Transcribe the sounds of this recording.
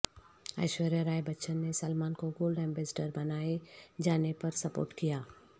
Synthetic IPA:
a̰ːɪʃʋəɾeɾaːebɐtːʃənːesɐlmaːnkoɡoːlɖɛ̃ːmbeːsʈəɾbɐnaːed͡ʒaːnepɐɾsɐpo̰ːɾʈkijaː

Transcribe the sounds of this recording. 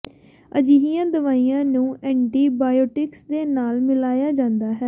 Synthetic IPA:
əd͡ʒiɦijãːd̪əʋaːiːjãːnũːɛ̃ːɳʈiːbaːjoːʈɪksd̪eːnaːlmɪlaːjaːd͡ʒãːnd̪aːɦɛː

